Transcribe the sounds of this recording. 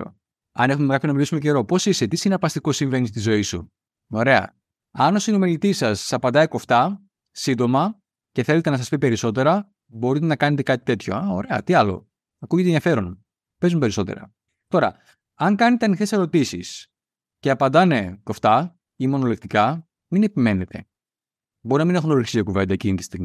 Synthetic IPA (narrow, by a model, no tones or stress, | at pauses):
ɐ̰ne̞xumemekɐpçonɐmilisumceɾo̞po̞sise̞t̪isinɐpɐst̪iko̞siɱve̞nist̪izo̞isṵ | o̞ɾe̞ɐ̰ | ɐno̞sinomilit̪isɐsɐpɐnd̪ɐiko̞ft̪ɐ | sind̪o̞mɐ | ce̞θe̞let̪enɐsɐspipeɾiso̞t̪e̞ɾɐ | bo̞ɾit̪enɐkɐne̞t̪e̞kɐt̪i̥t̪e̞t̪ʰço̞̰ɐo̞ɾe̞ɐ̰t̪iɐlo̞̰ | ɐkuʝet̪enðiɐfe̞ɾo̞n | pe̞zumpe̞ɾiso̞t̪e̞̰ɾɐ̰ | t̪oɾɐ̰ | ɐŋkɐnet̪e̞ɐnixte̞se̞ɾo̞t̪isis | ce̞ɐpɐnd̪ɐne̞ko̞ft̪ɐ | imo̞no̞lekt̪ikɐ | mine̞pime̞ne̞t̪ʰe̞̰ | bo̞ɾinɐmine̞xunoɾiksiokuve̞nd̪ɐecinit̪i̥st̪iɣi